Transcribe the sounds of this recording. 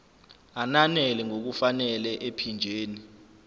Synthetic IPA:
ananɛlɛŋok̬ufanɛlɛʔepʰind͡ʒʱeːni

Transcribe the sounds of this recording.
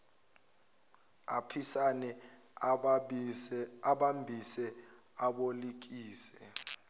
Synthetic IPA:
apʰisanɛ | aɓambʱisɛ | aɓolik̬iːsɛ

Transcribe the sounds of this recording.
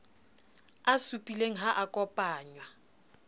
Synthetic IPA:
asupʼileŋ̩ɦaʔakʼɔpʼaːɲwa

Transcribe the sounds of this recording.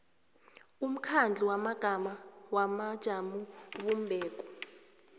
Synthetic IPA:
um̩kʰand͡ɮʱiwamaɡ̥ʱamawamad̥ʒ̥ʱamuβumbʱɛːk̬ʼɔ̥

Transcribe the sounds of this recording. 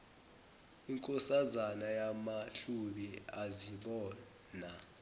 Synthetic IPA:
iŋkʼɔsazanajamaɬuɓiaziɓɔː | na

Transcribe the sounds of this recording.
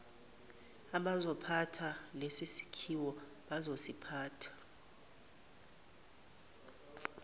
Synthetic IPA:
aɓazɔpʰatʰalesisi̥kʰiwɔ | ɓazosipʰaːtʰḁ

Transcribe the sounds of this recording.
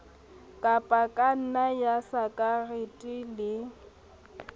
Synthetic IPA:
kʼapʼakʼan̩najasakʼarɪtʼilɪ

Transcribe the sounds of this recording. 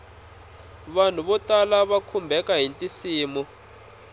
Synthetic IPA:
βan̤uβɔtʼalaβakʰumbʱɛkaɦintʼisiːmɔ

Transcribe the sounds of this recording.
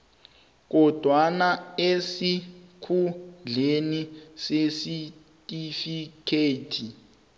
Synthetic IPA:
k̬ɔd̥ʱwanaesikʰud͡ɮenisesi | tʼifikʰeːtʰi

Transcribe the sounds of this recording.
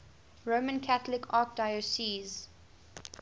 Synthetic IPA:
ɹoːmə̃nkʰæθlɪkʰɑːk̚daɪosiːz

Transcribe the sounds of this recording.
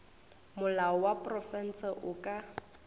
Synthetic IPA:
mʊlaɔwapʼrɔfɛn̩sɛʔʊkʼa

